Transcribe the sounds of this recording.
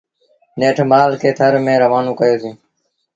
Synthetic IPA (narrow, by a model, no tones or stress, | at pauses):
neːʈʰmaːlkʰeːt̪ʰəɾmẽːɾəʋaːnõːkəjoːsĩː